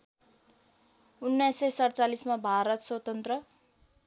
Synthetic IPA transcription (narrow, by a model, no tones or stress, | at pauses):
unːajsesʌɽt͡salismabʱaɾʌt̪swʌt̪ʌnt̪rʌ